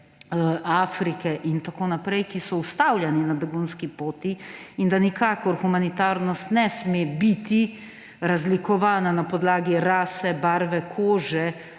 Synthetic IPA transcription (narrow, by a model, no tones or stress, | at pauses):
aːfɾikɛʔint̪akoːnapɾɛjkisɔust̪aːwljaninabɛɡunskipoːt̪iind̪anikaːkɔɾxumanit̪aːɾnɔst̪nɛsmebit̪i | ɾazlikɔʋaːnanapɔd̪laːɡiɾaːsɛbaɾʋɛkʰoːʒɛ